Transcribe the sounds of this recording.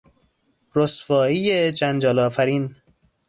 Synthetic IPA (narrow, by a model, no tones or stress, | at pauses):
ɾosfɒːijed͡ʒænd͡ʒɒːlɒːfæɾiːn